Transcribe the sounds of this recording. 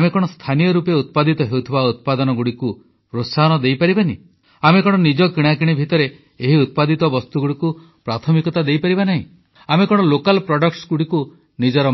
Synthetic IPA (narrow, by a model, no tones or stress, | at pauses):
mekɔɽ̃ɔst̪ʰanijɔɾupeut̪̚pad̪it̪ɔɦeut̪ʰibaut̪̚pad̪ɔnɔɡuɽiku | pɾot̪saɦɔnɔd̪ejpaɾibanḭ | amekɔɽ̃ɔnid͡ʒɔkiɽ̃akiɽ̃ibʱit̪ɔɾeː | ɦiut̪̚pad̪it̪ɔbɔst̪uɡuɽiku | pɾat̪ʰɔmikɔt̪ad̪ejpaɾibanaɦḭ̃ | amekɔɽ̃ɔlokalpɾɔɖɔkʈsɡuɽiku | nid͡ʒɔɾɔ